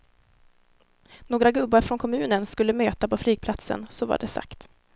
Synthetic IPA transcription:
noːɡɾaɡɵbːaɾfɾɔnkʰɔmʉ̟ːnənskɵlːəmøːt̪apɔflyːɡ̥̚pʰlat̪sə̰nsɔva̰ɖɛsa̰kt̪

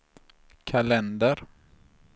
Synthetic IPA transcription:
kʰalɛnd̪əɾ

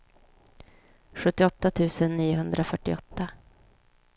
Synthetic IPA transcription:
ɧɵt̪ːɪɔt̪ːat̪ʰʉ̟ːsənːiːʊɦɵnd̪ɾafœʈːɪɔt̪ːa

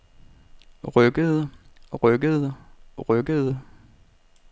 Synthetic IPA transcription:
ʁœɡ̥əðˠ | ʁœɡ̥əðˠʁœɡ̥əð̩ˠ

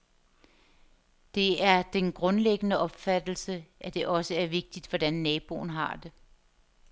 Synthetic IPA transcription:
d̥e̝æɐd̥enɡ̥ʁɔ̽nleɡ̥ənəʔɒ̽b̥fæd̥l̩səʔæd̥e̝ʔɒ̽səæɐʋe̝ɡ̥̚d̥id̥ʋɒd̥ænːɛːb̥o̝̰ːn̩ɦɑ̈d̥e̝

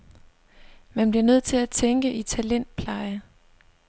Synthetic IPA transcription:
mænb̥liɐnøð̞̰ˠt͡sʰe̝læt͡sʰeŋɡ̥əʔit͡sʰælen̰d̥̚pʰlɑ̈ɪə

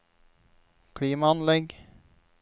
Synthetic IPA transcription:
kʰɽiːmaɑnlɛɡ

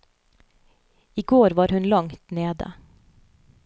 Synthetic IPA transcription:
ɪɡoːɾʋɑːɾhʉnlɑŋt̪neːd̪ə̰

